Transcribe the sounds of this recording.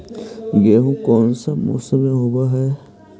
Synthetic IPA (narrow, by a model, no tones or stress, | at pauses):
ɡeɦũkɔːnsamṵsəmẽɦobaɦɛː